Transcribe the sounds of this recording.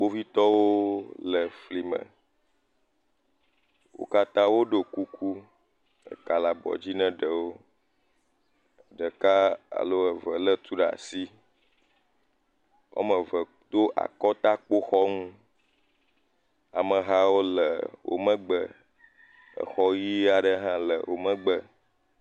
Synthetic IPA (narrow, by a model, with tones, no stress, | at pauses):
k͡po˦vi˦t̪ɔ˦wo˦lə˨fli˨mə̰̃˨ | wo̰˦ka˦t̪ã˦wo˦ɖo˨ku˦kʰu˦ | ə̰˨ka˨la˨bɔ̰˨d͡ʑi˦nɛ̃˦ɖə˨wo˦˨ | ɖə˨ka˦a̰˨lo˦ə˨və˨lə˦t̪u˦ɖa̰˨si˦ | wʔo̰˦mə̃˨və˨ | t̪o˦ʔa̰˨kɔ˦t̪a˦k͡po˦xɔ˦ŋũ˦ | a˨mə̃˨ɦa˦wo˦lə̰˨wo̰˨mə̃˦ɡ͡bə˨ | ə̰˨xɔ˦ji˦a˨ɖə˦ɦã˦lə̰˨wʔo˨mə̃˦ɡ͡bə˨